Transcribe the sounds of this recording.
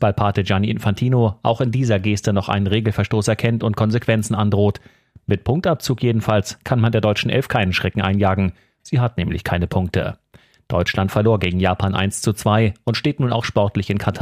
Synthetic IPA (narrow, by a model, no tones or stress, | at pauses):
b̥aɪlpʰaːtəd͡ʒaniʔɪnfantʰiːnoʔa̰ʊxɪndiːzɐɡeːstənɔχʔa̰ɪnənʁeːɡl̩fɛɐʃtoːsɛɐkʰɛntʊnt̚kʰɔnzekv̥ɛnt͡sn̩ʔandʁoːt | mɪt̚pʰʊŋk̚tap̚t͡suːkjeːdn̩falskʰanmandeːɐdɔʏt͡ʃn̩ʔɛ̰lfkʰaɪnənʃʁ̥ɛkŋ̩ʔaɪnjaːɡŋ̩ | z̥iːɦat̚nɛːmlɪ̰çkʰaɪnəpʰʊŋk̚tʰə̰ | d̥ɔʏt͡ʃlantfɛɐloːɐɡeːɡŋ̩jaːpʰaːnʔa̰ɪnst͡sut͡sv̥aɪʔʊntʃteːtnuːna̰ʊxʃpɔɐtlɪçɪnkʰatʰaː